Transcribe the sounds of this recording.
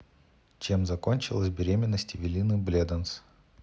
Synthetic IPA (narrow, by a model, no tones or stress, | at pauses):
t͡ɕe̞mzɐkonʲt͡ɕɪlˠəsʲbʲɪɾʲemʲɪnːəsʲtʲɪvʲɪlʲinɨblʲed̪əns